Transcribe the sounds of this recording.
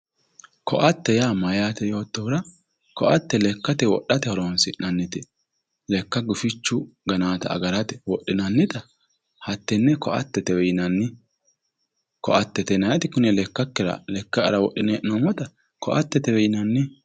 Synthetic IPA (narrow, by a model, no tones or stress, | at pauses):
kʰɔʔɐt̪ːɛjaːmɐjaːt̪ɛjo̞ːt̪ːɔwɾɐ | kɔʔɐt̪ːɛlɛkːɐt̪ɛwɔ̰ɗːɐt̪ɛhɔɾoːnsɪnnɐnːɪt̪ɪ | lɛkːɐɡʊfɪt͡ʃːʊɡɐnaːt̪ɐɐ̰ɡɐɾɐt̪ɛwɔʔːɪnɐnːɪt̪ɐ | hɐt̪ːɛnːɛkɔʔɐ̰t̪ːɛt̪ɛwɛjɪnɐnːɪ | kɔʔɐt̪ːɛt̪ɛnɐjɐt̪ɪkʊnɛlɛkːɐkːɪɾɐ̰lɛkːɐɐ̰ɾɐwɔ̰ɗːɪnɛʔnomɔt̪ɐ | kɔʔɐt̪ːɛt̪ɛwɛjɪnɐnːɪ